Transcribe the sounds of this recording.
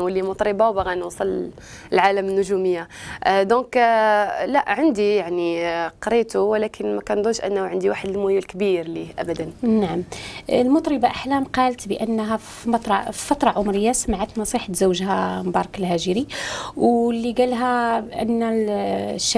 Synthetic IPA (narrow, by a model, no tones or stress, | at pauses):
wəlːimʊt̪ˤɾəbawbaɣænwsˤələlʕaləmnːʊʒuməjːad̪ɔ̃k | læʔʕənd̪ijaʕniqɾit̪uwlækʰənmækænd̪uʃʔə̰nːhʕənd̪iwaħəd̪əlmujəlkbiɾliʔæ̰bæd̪ænnaʕaməlmʊt̪ˤɾəbaʔaħlæmqɑlət̪bəʔənːɦæf | mɑt̪ɾˤɑi̥fɑt̪ɾˤɑʕʊmɾəjːasəmʕat̪nɑsˤiħat̪zəwːʒhæmbɑɾˤɑkəlɦæʒəɾiwlːiɡælɦæʔə̰nːæ | ʃː